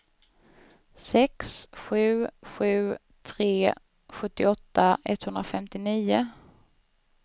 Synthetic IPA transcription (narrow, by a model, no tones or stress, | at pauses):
sɛksɧʉ̟ːɧʉ̟ː | t̪ʰɾeː | ɧɵt̪ːɪɔt̪ːaʔɛ̰t̪ːhɵnɾafɛmt̪ɪniːʊ